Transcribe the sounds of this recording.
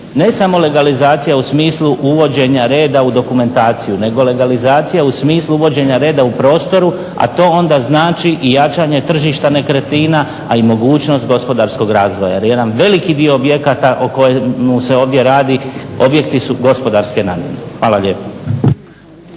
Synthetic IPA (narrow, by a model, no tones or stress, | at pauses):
ne̞samo̞le̞ɡalizaːt̪sijausmiːslˠuʔuʋo̞d͡ʑe̞ɲaɾe̞ːd̪aud̪o̞kume̞nt̪aːt̪sijune̞ɡo̞le̞ɡalizaːt̪sijausmiːslˠuuʋo̞d͡ʑe̞ɲaɾe̞ːd̪aupɾo̞ːst̪o̞ɾu | a̰t̪o̞ːo̞nd̪aznaːt͡ʃiʔijat͡ʃaɲe̞t̪r̩ʒiʃt̪ane̞kɾe̞t̪iːna | aimo̞ɡuːt͡ʃno̞st̪̚ɡo̞spo̞d̪aɾsko̞ɡɾaːzʋoja̰jeje̞d̪anʋe̞likid̪io̞obje̞kat̪aʔoko̞jemuseo̞ːʋd̪je̞ɾaːd̪io̞bje̞k̚t̪isuɡo̞spo̞d̪aɾske̞naːmjḛɾexʋaːlaʎe̞ːpa